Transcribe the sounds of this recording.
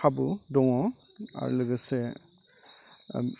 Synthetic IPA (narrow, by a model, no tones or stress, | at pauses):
abudɔŋɔ | a̰ɾ̰lɯɡɯse